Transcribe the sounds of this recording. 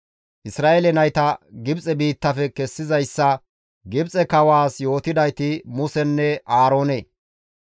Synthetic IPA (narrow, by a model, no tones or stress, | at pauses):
ʔɪsɾaːʔelɛnɐjt̪ɐɡɪbt͡sʼɛbiːt̪ːɐfɛkɛsːɪzɐjsːɐ | ɡɪbt͡sʼɛkɐwaːsjo̞ːt̪ɪd̪ɐjt̪ɪmʊsɛnːɛʔaːɾo̞ːneː